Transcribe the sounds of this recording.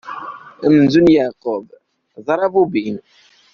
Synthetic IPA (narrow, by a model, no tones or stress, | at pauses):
əmnzunjaqob | ðˤɑɾˤɑvubin